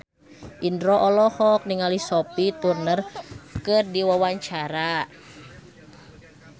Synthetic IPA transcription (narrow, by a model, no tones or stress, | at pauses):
ʔindɾɔʔɔlɔhɔk̚niŋalisɔpit̪urnərkɨrdiwawaɲt͡ʃaɾa